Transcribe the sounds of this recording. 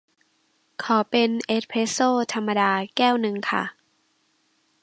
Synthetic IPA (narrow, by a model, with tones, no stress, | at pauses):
kʰɔː˩˦pe˧nʔe˦˥t̪̚pʰeː˦˥soː˥˩t̪ʰa˧mːa˧daː˧kɛː˥˩wnɯ˧ŋkʰa̰˥˩